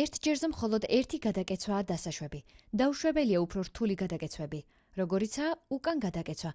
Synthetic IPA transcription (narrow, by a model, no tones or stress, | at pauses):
ɛɾt̪ʰd͡ʒɛɾzɛmχɔlˠɔd̪ɛɾt̪ʰiɡad̪akʼɛt̪sʰwaːd̪asaʃwɛbid̪auʃwɛbɛliaupʰɾɔɾt̪ʰuliɡad̪akʼɛt̪sʰwɛbi | ɾɔɡɔɾit̪sʰaːukʼanɡad̪akʼɛt̪sʰwa